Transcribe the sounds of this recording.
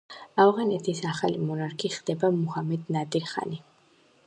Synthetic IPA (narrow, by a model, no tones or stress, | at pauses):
avʁanɛt̪ʰisaχalimɔnaɾkʰiχd̪ɛbamuhamɛd̪nad̪iɾχa̰ni